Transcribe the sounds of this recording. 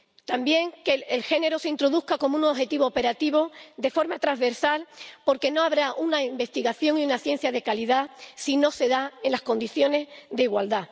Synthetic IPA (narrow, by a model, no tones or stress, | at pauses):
t̪ambje̞ŋkeelxe̞ne̞ɾoseint̪ɾo̞ðuhkako̞mounoxe̞t̪iβo̞ːpe̞ɾat̪iβo̞d̪e̞fo̞ɾmat̪ɾazβe̞ɾsalpo̞ɾke̞no̞aβ̞ɾaʔunaimbe̞st̪iɣaθjo̞ŋiunaθje̞n̟θjaðe̞kaliðasino̞se̞ðaenlasko̞nd̪iθjo̞ne̞zðe̞iɣwald̪a